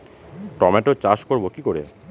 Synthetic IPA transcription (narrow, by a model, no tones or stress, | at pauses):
ʈɔmeʈot͡ɕaʃkoɾbokikoɾḛ